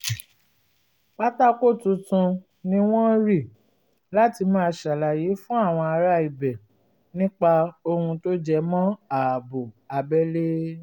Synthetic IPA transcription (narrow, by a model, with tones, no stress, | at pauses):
k͡pa˦ta˦ko˦˨tũ˧tũ˧ | nĩ˦w̃ɔ̃˦ɾi˦˨ | la˨˦ti˧mãː˦˧ʃa˨la˨je˨˦fũ˦a˦˨w̃ɔ̃˧a˧ɾa˧˦i˨bɛ˨ | nĩ˦k͡pa˧o˧hũ˧to˦d͡ʒɛ˧mɔ̃˦a˨bo˨a˨bɛ˦le˦